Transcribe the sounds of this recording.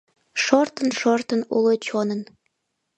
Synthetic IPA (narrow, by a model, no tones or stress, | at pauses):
ʃort̪ənʃort̪ənṵlot͡ɕonən